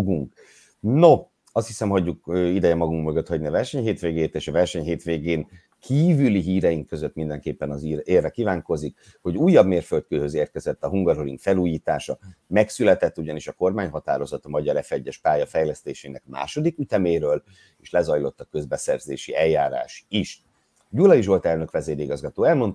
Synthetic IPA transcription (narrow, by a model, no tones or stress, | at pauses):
ɡuŋk | no | ɒst̪hisɛmɦɒɟːukøːid̪ɛjɛmɒɡuŋkmøɡøt̪hɒɟniɒvɛrʃɛɲɦeːt̪ʋeːɡeːt̪eːʃɒvɛrʃɛɲɦeːt̪ʋeːɡeːŋ | kʰiːvyliɦiːɾɛjiŋkːø̞zøt̪ːmind̪ɛŋkeːpːɛnɒzireːrːɛkiːvaːŋko̞zik | ho̞ɟuːjːɒbmeːrfølt̪̚køːhøzeːrkɛzɛt̪ːɒɦuŋɡɒrɦoɾiŋkfɛluːjiːt̪aːʃɒmɛksylɛt̪ɛt̪ːuɟɒniʃɒko̞rmaːɲɦɒt̪a̰ːɾo̞zɒt̪ɒmɒɟɒɾɛfɛɟːɛʃpaːjɒfɛjlɛst̪eːʃeːnɛkma̰ːʃo̞d̪ikyt̪ɛmeːɾøːl | eːʃlɛzɒjlo̞t̪ːɒkøzbɛsɛrzḛːʃiɛjːaːɾa̰ːʃiʃ | ɟulɒiʒo̞lt̪ɛlnøkʋɛzeːɾiɡɒzɡɒt̪oːɛlmo̞nt̪